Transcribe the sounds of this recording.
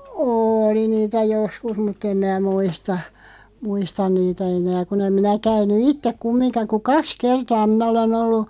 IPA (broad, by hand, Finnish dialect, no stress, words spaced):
oːli niːtæ joskus mutː em mæː muistɑ muistɑn niːtæ enæː kun em minæ kæynˑu itːek kumːinkɑ ku kɑks kertɑː minæ olen olːu